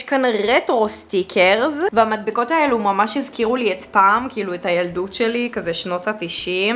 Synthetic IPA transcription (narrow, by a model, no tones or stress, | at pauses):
ʃkanʁetʁo̞stikʰeʁzveamad̚biko̞taelumamaʃhizkiʁulietpaːmkiiːluetajaldutʃelikazeʃno̞tatiʃim